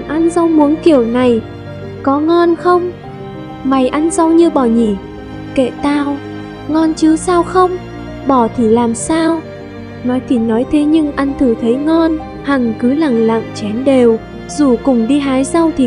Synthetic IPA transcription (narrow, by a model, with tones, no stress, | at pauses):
ʔa˧nza˧wmu˨˦ənki˧˩əwna˨˩j | kɔ˨˦ŋɔ˧nxə˧wŋ͡m | ma˨˩jʔa˧nza˧wɲɨ˧ɓɔ˧˩ɲi˧˩ | kḛ˧˨t̪aː˧w | ŋɔ˧nt͡ɕɨ˨˧˦saː˧wxə˧wŋ͡m | ɓɔ˧˩t̪ʰi˨˩laː˨˩msaː˧w | nɔ˨˦jt̪ʰi˨˩nɔ˨˦jt̪ʰe˨˦ɲɨ˧ŋʔa˧nt̪ʰɨ˧˩t̪ʰə˨˦jŋɔ˧n | ha˨˩ŋkɨ˨˦la˨˩ŋla̰˧˨ŋt͡ɕɛ˨˦nɗe˨˩w | zu˨˩kʊ˨˩ŋ͡mɗi˧ɦaː˨˦jza˧wt̪ʰi˨˩